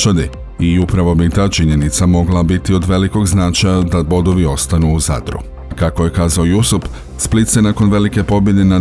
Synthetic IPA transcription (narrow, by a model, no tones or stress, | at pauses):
ad̪i | iupɾaʋo̞bit̪aːt͡ʃiɲe̞nit̪samo̞ɡlˠabit̪io̞d̪ʋe̞liko̞ɡznat͡ʃajad̪abo̞d̪o̞ʋio̞st̪anuːza̰d̪ɾṵ | kako̞je̞kaːzaojusup | split̪sje̞nako̞nʋe̞like̞po̞bje̞d̪e̞na